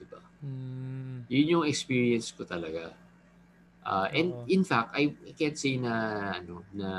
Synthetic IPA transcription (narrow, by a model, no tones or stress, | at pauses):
d̪ɪba | jʊnjoŋɛkspiɹiɛnskʊt̪ɐlɐɡa | ʔaʔɛ̃nd̪ɪ̃nfak̚t̪ɐjajkɛnt̪sejnɐʔɐno̞nɐ